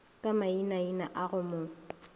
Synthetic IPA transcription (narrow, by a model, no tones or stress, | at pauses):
kʼamainainaʔaɣʊmʊː